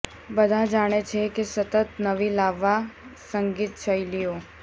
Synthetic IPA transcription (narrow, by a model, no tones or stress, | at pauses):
bəd̪ʱad͡ʒaɽ̃et͡ʃʰekesət̪ət̪nəʋilaʋːasə̃ŋɡit̪t͡ʃʰəilijo